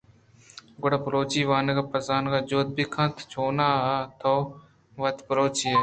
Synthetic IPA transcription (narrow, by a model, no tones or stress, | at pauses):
ɡʊɽaːpəɾoːt͡ʃiːʋaːnekaːpəzaːnkaːd͡ʒoːt̪̚biːkʰãːt̪ʰt͡ʃʰoːnaːt̪ʰoː | ʋət̪pəɾoːt͡ʃiːe